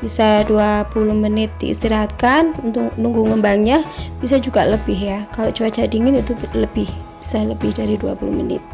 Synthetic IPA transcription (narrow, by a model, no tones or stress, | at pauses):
bisaduapulʊhmənɪt̪̚dḭḭst̪iɾaɦat̪̚kanunt̪ʊknuŋɡuŋəmbaŋɲab̥isad͡ʒuɡaləbɪɦjakalot͡ʃuat͡ʃadiŋɪnit̪uləbɪhb̥i̥saləbɪhdaɾidua̰pulʊ̰hmənɪ̰t̪̚